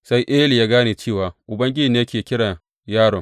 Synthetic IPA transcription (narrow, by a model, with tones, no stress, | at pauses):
sa˦jʔeː˦li˨jaː˦ɡaː˦neː˨t͡ʃeː˦˨waː˨ʔʊ˨bɐ˦ŋɡʲɪ˦d͡ʒi˨n˦jɐ˦kʲeː˨kʲɪ˦ɽa˨ | jaː˦˨ɽɔ˨ŋ